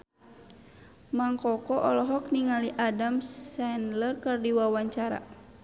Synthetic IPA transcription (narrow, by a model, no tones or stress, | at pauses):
maŋkɔkɔʔɔlɔɦɔk̚niŋaliʔadamssɛnlərkərdiwawaɲt͡ʃaɾa̰